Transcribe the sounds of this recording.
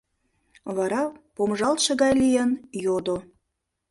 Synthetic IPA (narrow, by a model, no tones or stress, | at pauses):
βɑɾɑpomʒɑlt̪ʃə̆ɣɑjlijenjod̪o